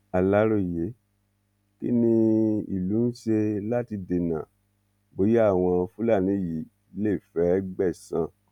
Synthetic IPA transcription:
a˨la˨˦ɾo˦˨je˨˦ | kḭ˦nĩ˧ḭ˨lu˨˦n̩˦ʃe˧la˦ti˧de˧nã̰˨ | bo˨˦je˦a˦˨w̃ɔ̃˧fu˦la˦˨nĩ˨˦ji˨˦ | le˦˨fɛ˨˦ɡ͡bɛ˦˨sã˧˨

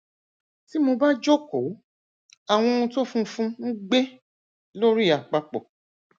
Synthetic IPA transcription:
ti˨˦mo˧ba˦d͡ʒo˦ko˨˦ | a˨w̃ɔ̃˧ũ˧to˦fũ˦fũ˦ŋ̩˦ɡ͡be˦ | lo˦ɾi˦a˨k͡pa˨k͡pɔ̰˨

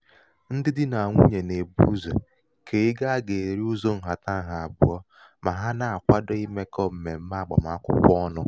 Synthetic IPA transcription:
n̩˦dɪ˦dɪ˦na˨a˨ŋʷu˦ɲe˨ne˨bṵ˦zo̰˨ | kʰe˨ɪ˦ɡa˦a˦ɡe˨ɾi˦u˦zo˦n̩˨ɦa˨ta˦ɦa˨a˨bʊ̰˨ɔ˦ | ma˨ɦa˦na˨a˨kʷa˦dɔ˦i˦me˦kɔ˦m̩˨me˨m̩˦ma˦˨ɡ͡bɔ̰˨m˨a˦kʷʊ̰˦kʷɔ˦nʊ˦

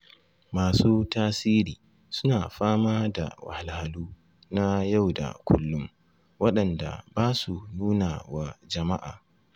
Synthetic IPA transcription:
maː˨suː˦taː˦siː˦ɾiː˨ | sʊ̥˦naː˨ɸaː˦maː˦da̰˨wa̰˨ha˨la˨ha˨luː˦ | na˦ja˦˨wda̰˨kʷʰʊ˦lːʊ˦m | wɐ˦ɗɐ˨nda̰˨baː˦su˨nuː˦na˨wa˦d͡ʒɐ˨ma˦ʔa̰ː˨

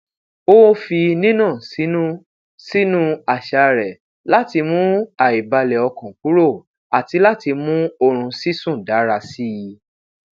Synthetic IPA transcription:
o˦fi˧nĩ˦nã˦˨si˨˦nũ˦ | si˦nũ˦a˨ʃa˧ɾɛ˨ | la˦ti˧mũ˦a˨i˨ba˧lɛ˨ɔ˧kɔ̃˨ku˨˦ɾo˦˨ | a˨ti˧˦la˦ti˧mũ˦o˧ɾ̃ũ˧si˦sũ˦˨da˨˦ɾa˧si˦˧

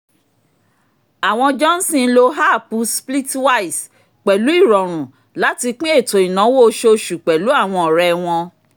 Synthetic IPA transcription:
a˨w̃ɔ̃˧d͡ʒɔ˦n̩˦sĩ˦˧˨lo˧ɦa˦˨pu˧spli˦twa˦i˨s | k͡pɛ˨lu˨˦i˦˨ɾɔ˨ɾ̃ũ˨ | la˨˦ti˧k͡pĩ˦e˦˨to˨i˨nã˨˦wo˦˧˦ʃo˧ʃu˨k͡pɛ˨lu˨˦a˦˨w̃ɔ̃˧ɔ˨ɾɛ˨˧w̃ɔ̃˧

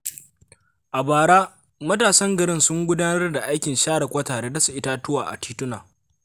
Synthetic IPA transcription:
ʔa˨baː˨ɽaː˦ | mɐ˦taː˨sɐ˦ŋɡɐ˨ɽɪ˦nsʊ˦ŋɡʷʊ˦daː˦nɐ˦rda˨ʔa˦jkʲɪ˨nʃaː˦ɽɐ˨kʷɐː˦taː˨ɽeː˦da˦su˨ʔɪ˦ta˦tʊ˦waː˨ʔa̰˨tiː˦tʊ˦na̰ː˨

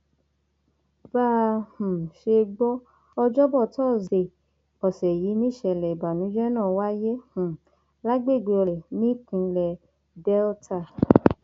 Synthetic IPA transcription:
baː˦˨h̩˨ʃe˧ɡ͡bɔ˦ | ɔ˧d͡ʒɔ˦bɔ˦˨tɔː˦˨ze˨ | ɔ˨sɛ˨ji˨˦nĩ˦˨ʃɛ˧˨lɛ˨i˨ba˨nũ˨˦d͡ʒɛ˦nãː˦˨wa˦je˦h̩˨ | la˦ɡ͡be˦˨ɡ͡be˧ɔ˧ɛ˨nĩ˦kũ˨˧lɛ˧˨ | dɛ˦ltʰa˦˨

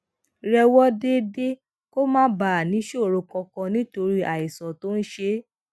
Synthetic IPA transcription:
ɾɛ˧wɔ˦de˦de˦ | ko˦mãː˦ba˨nĩ˨˦ʃo˦˨ɾo˧kɔ̃˧kɔ̃˧nĩ˦to˧ɾi˦ʔa˨i˨sɔ˨to˦n̩˦ʃe˧

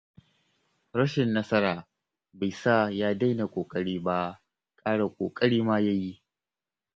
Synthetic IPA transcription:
ɽɐ˦ʃɪ˨nːɐ˦sɐ˦ɾaː˨ | ba˨jsa˦˨jaː˦da˦jna˨kʷʼoː˨kʼɐ˦ɽiː˦ba˦ | kʼaː˦ɽa˨kʷʼo̰ː˨kʼɐ˦ɽiː˦maː˦ja˦ji˦ʔ

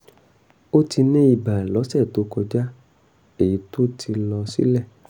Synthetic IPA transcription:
o˦ti˧nĩ˦i˦˨ba˨lɔ˨˦sɛ˦˨to˨˦kɔ˧d͡ʒa˦ | e˦˨ji˨˦to˦tʰi˧lɔ˧sḭ˦lɛ˦˨

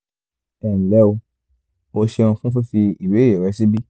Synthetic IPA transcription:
ɛ˨n̩˨lɛ˦o˧ | o˧ʃe˧ũ˧fũ˦fu˦fi˧i˨we˨˦e˨ɾɛ˧˦si˦bi˦

